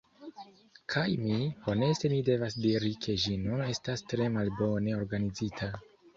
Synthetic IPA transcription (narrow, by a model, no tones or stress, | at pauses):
kʰajmibone̞ste̞mide̞vasdiɾikʰe̞ʒinune̞stastɾe̞malbo̞ne̞o̞ɾɡanizitʰa